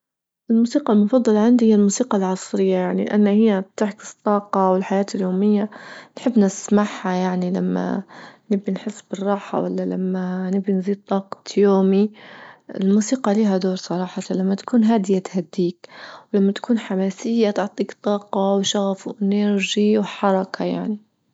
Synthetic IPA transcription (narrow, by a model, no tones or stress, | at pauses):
ʔɪlmuːsiːqɑlmʊfɑd̪ˤːɑlɑʕɪnd̪ihɪjːalmuːsiːqɑlʕɑsˤɾɪjːajaʕnilʔa̰nːahɪjːat̪ɪʕkɪ̥st̪ˤːɑːqɑwɪlħajaːt̪ɪljoːmɪjːanħɪbːnɪsmaħːajaʕnila̰mːa̰nɪbːinħɪsːbɪrˤːɑːħa̰wa̰lːala̰mːanɪbːinziːd̪̚t̪ˤːɑːqɑ̥t̪joːmi | ɪlmuːsiːqɑliːɦad̪oːɾsˤɑɾˤɑːħɑt̪alamːat̪ḁkuːnɦaːd̪ɪjat̪had̪ːiːkwlamːat̪ḁkʰuːnħamaːsɪjːat̪ʊʕt̪ˤiːkt̪ˤːɑːqɑwʃaɣafwʔɪnaɾʒiwħɑɾˤɑkʰaja̰ʕni